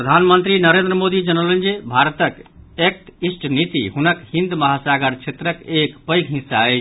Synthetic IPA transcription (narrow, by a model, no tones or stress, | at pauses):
ppɾəd̪ʱanmənt̪ɾinəɾend̪ɾəmod̪id͡ʒənələnd͡ʒebʱaɾət̪əkek̚t̪isʈʰənit̪ḭɦunəkhĩnd̪məɦasaɡəɾt͡ʃʰet̪ɾəkekpəjkɦĩsːaəɪt͡ʃʰ